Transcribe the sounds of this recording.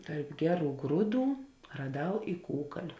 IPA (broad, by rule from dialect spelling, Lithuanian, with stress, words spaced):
ˈtɐrp ˈɡʲæːˌruː ˈɡruːˌduː rɐˈdɐʊ ɪ ˈkuːkɐlʲʊ